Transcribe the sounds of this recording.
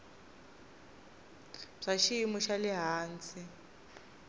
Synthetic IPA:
b͡ʐ̥aʃiimuʃalɪɦaːnt͡sʰi

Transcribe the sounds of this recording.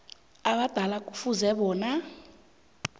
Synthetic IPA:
aɓad̥ʱalakʼu̥fuzɛɓɔːna

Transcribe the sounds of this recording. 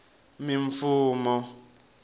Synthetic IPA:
miɱ̩fuːmɔ

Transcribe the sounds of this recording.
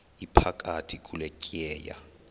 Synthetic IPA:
ipʰakʼatʰikʼulekʼiɛːja̰

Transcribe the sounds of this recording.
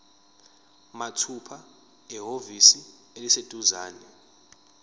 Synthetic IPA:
matʰupʰa | ɛɦovisi | elised̥ʱuzaːnɛ

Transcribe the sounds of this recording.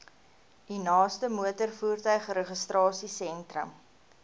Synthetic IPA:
dinɑːstəmuətərfuːrtœɥχɾəχəstrɑːsisɛntrə̰m

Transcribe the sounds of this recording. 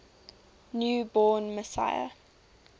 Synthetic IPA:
njuːbɔːnməsa̰ɪə̰

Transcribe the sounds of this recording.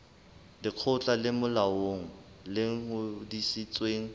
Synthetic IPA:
dɪq͡χʰʊt͡ɬʼalɪmʊlaoŋ̩ | lɪŋ̩hʊdisit͡sʼweːŋ̩

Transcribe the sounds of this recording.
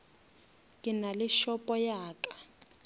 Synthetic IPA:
kʼɪnalɪʃɔpʼɔjaːkʼḁ

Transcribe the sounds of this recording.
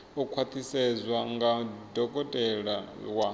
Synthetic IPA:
ukʰwat̪ʰisɛzʷwaŋɡadɔkʼɔtʼɛɺawa

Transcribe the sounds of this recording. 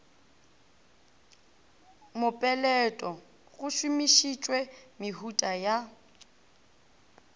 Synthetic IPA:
mʊpʼɛlɛtʼɔ | ɣʊʃʊmiʃit͡ʃʼwɛmɪɦutʼaja

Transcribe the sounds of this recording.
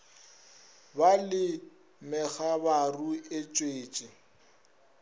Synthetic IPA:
balɪ | mɛɣabaruɪt͡ʃʼweːt͡ʃʼɪ

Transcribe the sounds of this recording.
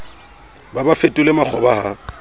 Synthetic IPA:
babafetʼʊlemak͡xʰɔbaha

